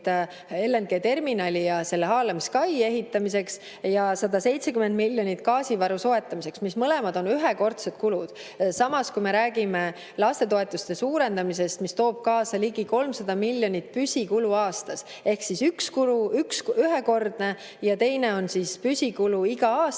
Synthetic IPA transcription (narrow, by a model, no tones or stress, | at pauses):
t̪ | e̞lːenɡ̥e̞ːt̪e̞rminɑlʲijɑse̞lːeɦɑːlɑmiskɑje̞ɦit̪ːˑɑmise̞ks | jɑsɑd̪ɑse̞jt̪se̞kymend̪̚milʲːjo̞nʲit̪ːˑkɑːsivɑɾuso̞et̪ˑːɑmise̞ksmismɤlɛ̞mɑd̪o̞nyɦeko̞rt̪set̪kulud̪̥ | sɑmɑskujme̞ɾæːɡ̥ime̞ | lɑst̪e̞t̪o̞e̞t̪ːˑust̪e̞suːɾe̞nd̪ɑmise̞st̪mist̪o̞ːb̥̚kɑːsɑliɡiko̞lmsɑd̪̥ɑmilʲːjo̞nʲit̪̚ːˑpysʲikuluɑːst̪ɑs | e̞hksisykskuluyksyɦeko̞rd̪̥ne | jɑt̪e̞jne̞o̞nsispysʲikuluiɡ̥ɑɑː